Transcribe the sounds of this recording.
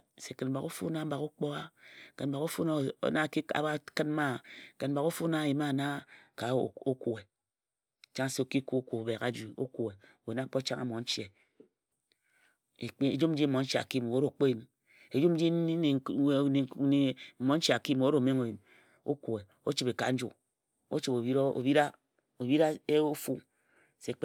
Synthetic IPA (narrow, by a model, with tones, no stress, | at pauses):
se˨ke˨nm̩˨ba˨ko˦fṵ˦na˦m̩˦ba˨ku˦k͡po˦a˦˨ke˨nm̩˦˨ba˨ɣo˦fu˦na̰˦˨˦na˦˨ki˦a̰˨a˦kɨ˦n˦ma˦˨ke˨nm̩˦ba˨ko˦fu˦na˦˨ji˨ma˦˨na˦ka˨o˦ku˨e˨ | t͡ʃa˦ŋ˨se˦o˨ki˦ku˦o˦ku˨o˨be˨ka˦d͡ʒu˨o̰˦ku˨e˨ | we˨na˦k͡po˦t͡ʃa˦ŋa˦mo˨n̩˦t͡ʃe˨ | e˨k͡pe˨d͡ʒu˦m˦d͡ʒi˦mo˨˦n̩˦t͡ʃa̰˨ki˦m˨wo˦ɾo˨k͡po˦ji˨m | e˨d͡ʒu˦m˦d͡ʒi˦˨n˨˦ne˨m̩˨mo˨˦n̩˦t͡ʃi˨a˨ki˦m˨o˨˦ɾo˨me˦ŋo˨ji˨m | o̰˦ku˨e˨ | o˦t͡ʃi˨pe˨ka̰˨n̩˦d͡ʒṵ˦ | o̰˦t͡ʃi˨bo˨bi˦ɾo̰˨bi˦ɾa˦ | o˨bi˦ɾa˦e˦o˦fu˦ | se˦k͡p